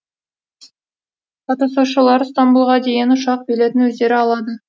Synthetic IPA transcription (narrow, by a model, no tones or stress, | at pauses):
qɑt̪ɑsuʃəlˠɑɾst̪ombulˠʁɑd̪e̞jɪnʊʃɑq̚bele̞t̪ɪnwɵzd̪e̞ɾɪɑlˠɑd̪ə